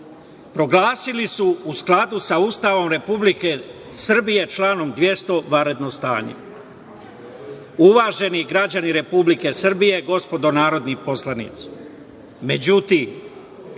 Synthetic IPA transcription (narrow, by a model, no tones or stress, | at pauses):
pɾo̞ɡlaːsilisuusklad̪usaust̪aːʋo̞mɾe̞publike̞ | sr̩bije̞t͡ʃlaːno̞md̪ʋje̞st̪o̞ʋaɾe̞d̪nost̪a̰ːɲḛ | uʋaːʒe̞niɡɾad͡ʑaniɾe̞publike̞srbije̞ɡo̞spo̞d̪o̞naːɾo̞d̪nipo̞slˠanḭːt̪si̥ | me̞d͡ʑut̪iːm